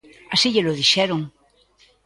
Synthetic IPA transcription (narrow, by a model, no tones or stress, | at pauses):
asiʎeloðiʃɛɾoŋ